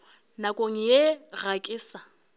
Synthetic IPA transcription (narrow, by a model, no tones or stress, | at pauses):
nakʼoŋ̩jeɣakʼɪːsa